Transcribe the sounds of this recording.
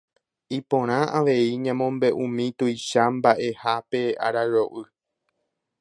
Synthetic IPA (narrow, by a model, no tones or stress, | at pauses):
ipõ̞ɾ̃ãʔaʋe̞iɲãmõmbe̞ʔũmĩt̪ujʃambaʔe̞hape̞a̰ɾaɾoʔɨ